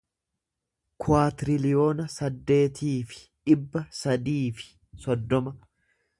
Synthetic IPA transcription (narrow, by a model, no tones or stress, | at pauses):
kʰʊaːt̪ɪɾɪlɪjo̞ːnɐsɐd̪ːe̞ːt̪iːfɪ̥ | ᶑɪbːɐsɐd̪iːfɪ̥ | sɔd̪ːɔmɐ